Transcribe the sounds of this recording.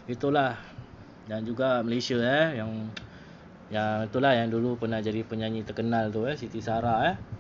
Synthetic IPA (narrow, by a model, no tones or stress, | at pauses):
it̪ulah | daŋd͡ʒuɡaməlesiaɛjaŋ | jaŋit̪ulahjaŋdulupərnahd͡ʒadipəɲaɲit̪ərkənalt̪uɛsit̪isaɾaɛh